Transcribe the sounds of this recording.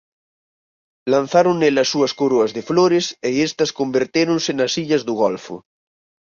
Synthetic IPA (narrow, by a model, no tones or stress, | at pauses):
lan̟θaɾonelɐsːuɐskoɾoɐzðefloɾeseest̪ɐskombeɾt̪eɾonsenɐsiʎɐzðuɣ̞ɔlfṵ